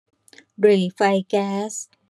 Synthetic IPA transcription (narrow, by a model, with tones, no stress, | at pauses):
ɾe˨˩fa˧jkɛː˦˥s